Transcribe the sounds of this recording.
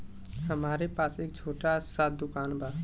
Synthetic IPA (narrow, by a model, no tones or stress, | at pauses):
ɦəmaːɾepaːseːk̚t͡ʃʰoːʈasat̪̚d̪ʊkaːnbʱa